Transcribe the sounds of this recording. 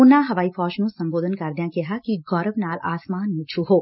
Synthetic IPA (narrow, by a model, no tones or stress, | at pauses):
ʊnãɦɐʋaːifɔːʃnũsɐ̃mboːd̪ʱənkɐɾd̪jãkɛɦakiɡɔːɾəʋnaːlaːsmaːnmɪt͡ʃʰuɦoː